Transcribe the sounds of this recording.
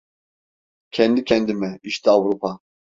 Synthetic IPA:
kʰɛnd̪ikʰɛnd̪imɛiʃt̪iavɾupʰa

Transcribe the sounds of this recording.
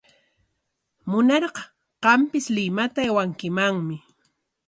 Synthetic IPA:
mʊnɑɾɢɑ | ɢ̥ɑmpɪslɪmat̪aewaŋkɪmaŋmɪ

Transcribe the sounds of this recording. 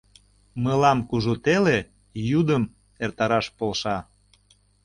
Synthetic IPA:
məlɑmkuʒut̪ele | jud̪əm | ert̪ɑɾɑʃpolʃɑ

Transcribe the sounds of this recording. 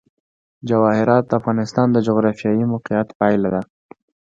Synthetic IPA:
d͡ʒawɑhɪɾɑt̪̚d̪əafɣɑnɪst̪ɑnd̪əd͡ʒoɣɾɑfjɑjimʊqijat̪pɑjlad̪a

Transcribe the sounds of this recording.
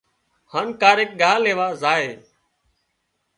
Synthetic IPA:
haːnkaːɾeːk̚ɠaːleːʋaːzaːeː

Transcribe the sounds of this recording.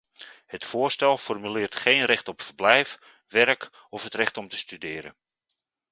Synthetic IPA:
hətfʊːrstɛlˠfɔrmylɪːrtχeːnrɛχtɔpfərblɛjf | ʋɛrk | ɔfɦətrɛχtɔmtəstydɪːɾə̰n

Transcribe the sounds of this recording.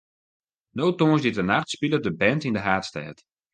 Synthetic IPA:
noːtoːəsdɪtənaxtspilədəbɛntindəɦaːtstɛ̰ːt

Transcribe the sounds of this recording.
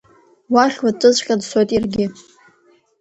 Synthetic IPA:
waχʲwaʈ͡ʂʷʼɨzʷʼχʲʼadsojtʼirɡʲɪ

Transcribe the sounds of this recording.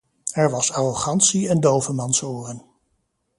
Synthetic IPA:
ɛɹʋɑsaroχɑntsiɛndowvəmɑnsoːrən

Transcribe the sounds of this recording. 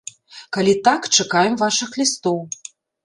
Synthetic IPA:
kalʲit̪akt͡ʂakajɛmvaʂɨxlʲist̪ɔw

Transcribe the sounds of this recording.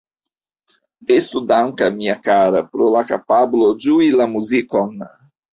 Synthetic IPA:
est̪ud̪aŋkamiakaɾapɾolakapablod͡ʒuilamuzikon

